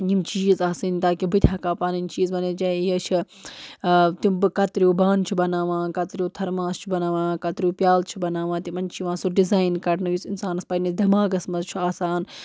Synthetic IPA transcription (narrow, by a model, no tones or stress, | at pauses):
jimt͡ʃiːzaːsɨnt̪aːkibɨt̪ʲʰɦɐkaːpaːninʲt͡ʃiːzmɐned͡ʒɐjɐt͡ʃʰi | t̪imbɨkɐt̪ɾijobaːnt͡ʃʰubɐnaːʋãːkɐt̪ɾʲioːt̪ʰɐɾmãːst͡ʃʰubɐnaːʋãːkɐt̪ɾʲiuːpjaːlt͡ʃʰubɐnaːʋaːt̪imɐnt͡ʃʰiʋãːsuɖizaːjnkɐɽnɐʋjisinsaːnɐspɐnisd̪ʱʲɐmaːɡɐsmɐzt͡ʃʰuaːsaːn